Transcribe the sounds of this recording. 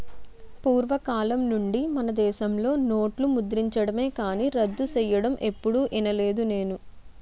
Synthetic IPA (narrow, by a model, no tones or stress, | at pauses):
puːɾʋɐkaːlɐmnuɳɖimɐnɐd̪ɛːʃɐmlo̞ːno̞ːʈlumud̪ɾiɲt͡ʃɐɽɐme̞ːkaːniːɾɐd̪ːusɛjɐɽɐmʔe̞pːuɽuʔinɐle̞ːd̪une̞ːnu